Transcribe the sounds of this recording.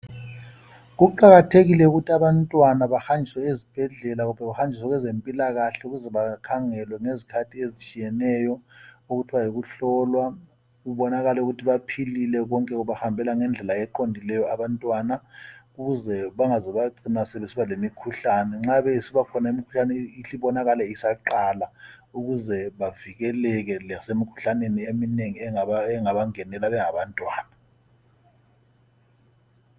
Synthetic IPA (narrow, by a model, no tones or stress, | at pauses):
ɣuǃaɣatʰeɣilɛuɣutʰiaβantʼwanaβahand͡ʒʱiswɛezib̥ʱɛɮɛlaɣumbʱɛɣaxand͡ʒʱiswɛɣɛzempʼilaɣaɬɛuɣuzɛβakʰaŋɛlwɛŋezikʰatʰiezit͡ʃʼijɛnɛjɔuɣutʰiβajiɣuɬɔlwa | ɣuβɔnaɣalɛuɣutʰiβapʰililɛɣɔŋkʼɛɣuβahambʱɛlaŋɛnd͡ɮʱɛlaɛǃondʱilɛjɔaβantʼwanakuɣuzɛɓaŋazɛɓaǀinasɛɓesiβalemikʰuɬanɛŋ͡ǁaɓesiɓakʰɔnaimikʰu̥ɬanɛiɬiɓɔnak̬alɛisaǃalauɣ̬uzɛɓavik̬ɛlɛk̬ɛlasemikʰu̥ɬaneniemineŋiɛɛŋaɓaŋɛnɛlaɓɛŋaɓantʼwaːna